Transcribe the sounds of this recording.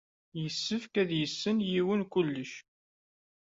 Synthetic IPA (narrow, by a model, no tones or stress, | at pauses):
jəsːəfkæðjəsːənjiwənkʊlːəʃ